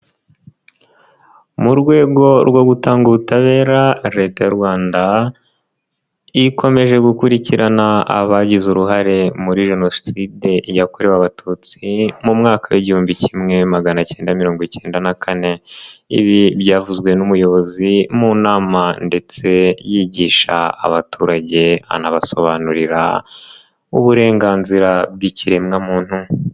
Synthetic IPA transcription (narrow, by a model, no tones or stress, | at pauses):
muɾɡwe̞ːɡo̞ɾɡwoɡutaːŋɡuβutaβe̞ːɾaɾe̞tajaɾɡwaːnda | ikʰo̞me̞ʒe̞ɡukuɾiciɾanaa̰βaɟizuɾuɦaɾe̞muɾiʒe̞no̞ssideʔijakoɾewaβatʰut͡simumŋaːkʰaweɟihuːmbicimŋe̞maɡanace̞ːndamiɾo̞ːŋɡwicʰe̞ːndanakʰane̞ḭβiβɟaːvuzɡwe̞numujo̞βo̞zimuːnaːmande̞t͡se̞jiːɟiːʃa̰ːβatʰuːɾaɟe̞a̰naβaso̞βanuɾiɾa̰ | ṵβuɾe̞ːŋɡaːnziɾabɡiciɾe̞mŋamuːn̥hu